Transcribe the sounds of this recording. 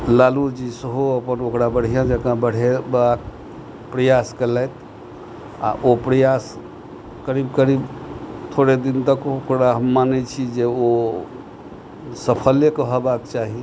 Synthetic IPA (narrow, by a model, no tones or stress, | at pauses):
lalud͡ʒisəɦoəpənokɾabəɽ̤ijãd͡ʒəkãbəɽ̤ebak | pɾəjaskelɛt̪ | a̰ʔopɾəjas | kəɾibkəɾibt̪ʰoɾed̪int̪əkokɾaɦəmːanɛt͡ʃʰid͡ʒeo | səpʰəljekəɦəbak̚t͡ʃaɦi